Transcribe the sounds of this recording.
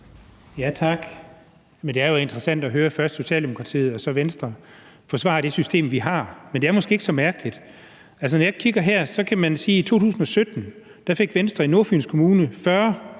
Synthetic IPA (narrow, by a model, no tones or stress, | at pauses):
jæt͡sʰɑ̈ɡ̥ | mend̥e̝æɐjoe̝nd̥ʁɐsæn̰d̥ɒɦøːɐfɶɐsd̥so̝ɕɛ̰ːld̥e̝mo̝kʰʁɑ̈t͡sʰḭːð̩ˠɒ̽sɒ̽ʋensd̥ʁɐ | fɒsʋɑ̰̈ɾ̥e̝sysd̥e̝̰ːmʋiɦɑ̈mend̥e̝æɐmɒsɡ̥e̝eɡ̥əsɒ̽mæɐɡ̥əlid̥ | ʔæls̬ənɒjɑ̈kʰiɡ̥ɐɦæɐ̰sɒ̽kʰæmænsiːit͡sʰo̝̰ːt͡sʰṵːsn̩ɒ̽sød̥n̩ | d̥ɑ̈fe̝ɡ̥ʋensd̥ʁɐino̝ɐfy̰ːnskʰo̝muːnəfɶɐ